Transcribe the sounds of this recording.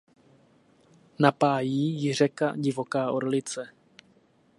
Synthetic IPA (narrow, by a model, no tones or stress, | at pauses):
napaːjiːjɪr̝ɛka̰ɟɪvo̞kaːʔo̰ɾlɪt͡sɛ